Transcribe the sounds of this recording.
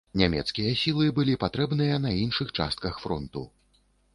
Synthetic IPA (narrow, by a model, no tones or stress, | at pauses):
nʲamʲɛ̰t̪skʲijɐsʲilˠɨbɨlʲipat̪ɾɛbnɨjɐnɐinʂɨxt͡ʂa̰st̪̚kɐxfɾɔnt̪u